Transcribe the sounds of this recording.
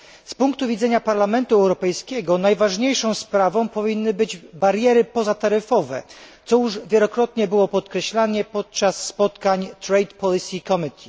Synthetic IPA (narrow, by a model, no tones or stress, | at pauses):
spuŋk̚t̪uvʲid̪zɛɲapaɾlamɛnt̪uɛwɾɔpɛjskʲɛɡɔnajvaʐɲejʂɔ̃w̃spɾavɔ̃w̃pɔvʲinːɘbɘd͡ʑbaɾʲjɛɾɘpɔzat̪aɾɘfɔvɛ̰t̪sɔjuʐvʲjɛlɔkɾɔt̪ɲɛbɘwɔpɔt̪kɾɛɕlaɲɛpɔt̪̚t͡ʂasːpɔt̪kaɲt̪ɾɛjt̪pɔlʲisʲikɔmit̪ʰʲi̥